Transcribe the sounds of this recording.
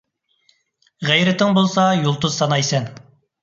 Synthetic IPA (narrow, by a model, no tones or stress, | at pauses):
ʁæjɾɪt̪ʰɪŋbolˠsɑjulˠt̪ʊz̥sɑnɑjsɛn